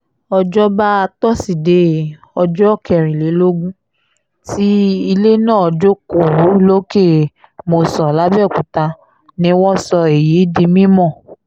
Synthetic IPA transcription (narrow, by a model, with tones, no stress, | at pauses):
ɔ˧d͡ʒɔ˦ba˦a˧tɔ˦si˨de˨˦˨ | ɔ˧d͡ʒɔ˦kʰɛ˨ɾ̃ĩ˨le˨˦lo˦ɡũ˦ | ti˦i˧le˦nãː˦˨ɔ˧d͡ʒo˦ko˨ɾu˨˦lo˦ke˦˨ | mo˧sɔ˨la˦bɛ˦˨kũ˨ta˧ | nĩ˧˦wɔ̃˦sɔ˧e˨ji˨˦dĩ˧mĩ˦mɔ̃˦˨